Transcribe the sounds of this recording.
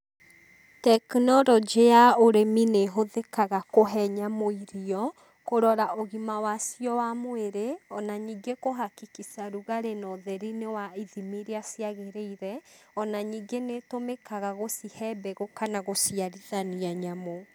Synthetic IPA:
tɛknɔɾɔd͡ʒejaoɾemineɦoðekaɣakoɦɛɲamoiɾiɔ | koɾɔɾaʔoɣimawasjɔwamoeɾeɔnaɲiɡekoɦakikisaɾuɣaɾenɔðɛɾinewaiðimiɾeasjaɣeɾeiɾɛɔnaɲiːɡenetomekaɣaɣosihɛbɛɣokanaɣosiaɾiðaniaɲamo

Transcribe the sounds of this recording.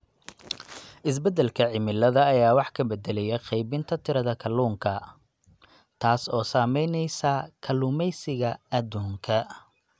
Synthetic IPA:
ʔɪs̬bɛd̪ɛlkʰɐʕɪmɪlɐðɐːjaːwɑħkʰɐbɛd̪ɛlɛjɛqɛjbɪnt̪ʰɐt̪ʰɪɾɐðɐkʰɐluːŋkʰɐ | t̪ʰaːsɔːsaːmɛjnɛjsɐkʰɐlʊːmɛjsɪɣɐɐd̪uːŋkʰɐ

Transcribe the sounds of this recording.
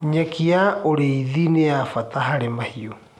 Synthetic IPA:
ɲɛkiaoɾeiðineafataɦaɾemahio

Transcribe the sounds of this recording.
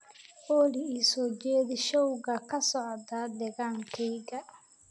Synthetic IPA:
ʔɔːlɪiːsɔːd͡ʒɛːðɪʃɔwɣɐkʰɐsɔʕd̪aːd̪ɛɣaːŋkʰɛjɣɐ

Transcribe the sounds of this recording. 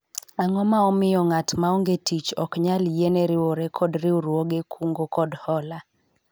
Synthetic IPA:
aŋɔmaɔmɪjɔŋatmaoŋɡetit͡ʃɔkɲaljeneɾɪwoɾɛkʰɔdɾɪuɾwoɡekʰuŋɡokɔdhɔla

